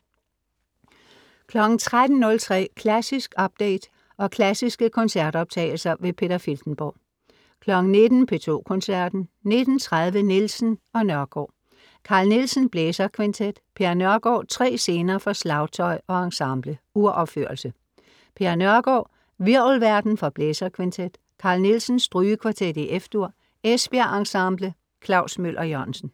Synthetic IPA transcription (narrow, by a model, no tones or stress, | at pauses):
kʰlɒ̽ɡ̥n̩t͡sʰʁad̥n̩ːɔ̽lt͡sʰʁɛ̰ːkʰlæsisɡ̥ɒ̽b̥̚d̥ḛɪd̥ | ɒ̽kʰlæsisɡ̥əkʰɒ̽nsæɐd̥ɒ̽b̥̚t͡sʰɛ̰ːɪl̩sɐʋe̝pʰe̝d̥ɐfild̥n̩b̥ɒ̰ː | kʰlɒ̽ɡ̥ŋ̩ne̝d̥n̩pʰe̝t͡sʰo̝̰ːkʰɒ̽nsæɐ̰d̥n̩ne̝d̥n̩t͡sʰʁað̞ˠʋənelsn̩ɒ̽nɶɐɡ̥ɒ̰ː | kʰɑ̈ːlnilsn̩b̥leːsɐkʰʋent͡sʰed̥pʰe̝ɐnɶɐɡ̥ɒ̰ːt͡sʰʁɛ̰ːse̝ːnɐːfɒ̽slɑ̈ʊt͡sʰɒ̽ɪɒ̽ɑ̈ŋsɑ̈mb̥ləuɐ̰ʔɒb̥føɐ̰lsə | pʰe̝ɐnɶɐɡ̥ɒ̰ː | ʋiɐ̰lʋæɐd̥n̩fɒ̽b̥leːsɐkʰʋent͡sʰed̥ | kʰɑ̈ːlnelsən̩sd̥ʁyːəkʰʋɑ̈t͡sʰed̥iʔefd̥uɐ̰ | esb̥e̝ɐʔɑ̈ŋsɑ̈mb̥lə | kʰlɑ̈ʊsmøl̰ʔɒ̽jɒnsən̩